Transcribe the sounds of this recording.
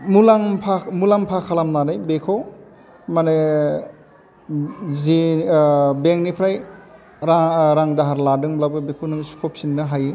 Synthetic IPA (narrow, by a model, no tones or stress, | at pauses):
mulaŋpʰamulampʰakʰalamnanɯjbekʰow | mane | zi | beŋnipʰɾaj | ɾaɾaŋdaɦaɾladɯŋblabɯbekʰonɯŋskʰop̚sinːɯɦaji